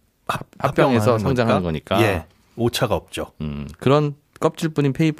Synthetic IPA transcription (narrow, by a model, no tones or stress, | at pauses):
hap͈jʌʌŋe̞sʰʌsʰʌŋd͡ʑaŋɦanɯnɡʌɲik͈ae | ot͡ɕʰaɡaʌp̚t͡ɕ͈oɯkɯɾʌn | k͈ʌp̚t͡ɕ͈ʰuɭp͈uɲinpʰe̞ipʰ